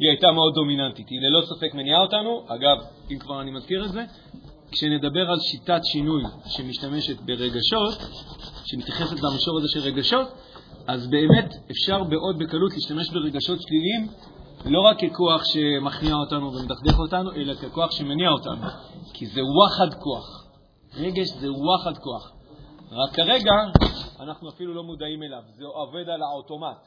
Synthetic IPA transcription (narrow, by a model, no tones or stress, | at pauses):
iajtameo̞d̪ːo̞minantitilelo̞sofe̞kmeniao̞tanuʔaɡavimkvaʁanimazkiʁetze̞ | kʃene̞dabe̞ʁalʃitatʃinujʃe̞miʃtame̞ʃe̞tbe̞ʁe̞ɡaʃo̞tʃe̞mitjaχe̞se̞tlamiʃo̞ʁazeʃelʁe̞ɡaʃo̞t | azbe̞ːme̞tefʃaʁbe̞ʔo̞d̚be̞kalutliːʃtame̞ʃbe̞ʁe̞ɡaʃo̞tʃlilim | lo̞ʁakːeko̞aχʃe̞maχniao̞tanuvemedaχde̞χo̞tanuʔe̞lakeko̞aχʃe̞meniao̞ta̰nukʰize̞uwaχadko̞aχ | ʁe̞ɡe̞ʃze̞uwaχadko̞aχʁakːaʁe̞ɡaːnaχnuafilulo̞mudaime̞lavzeave̞dalaoto̞mat